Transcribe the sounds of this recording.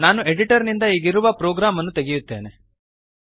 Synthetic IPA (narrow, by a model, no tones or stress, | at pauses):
naːnueɖiʈɐɾnind̪ɐiːɡiɾuʋɐpɾoːɡɾaːmɐnːut̪eɡijut̪ːḛːne